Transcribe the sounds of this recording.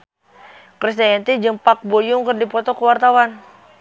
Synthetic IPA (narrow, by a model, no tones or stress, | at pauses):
kɾis̬t̪aɛnt̪id͡ʒəmpak̚bojʊŋkərdipɔt̪ɔkəwart̪awan